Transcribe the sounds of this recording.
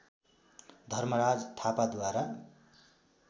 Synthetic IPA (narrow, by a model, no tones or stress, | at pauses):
d̪ʱʌrmʌɾad͡zt̪ʰapad̪waɾa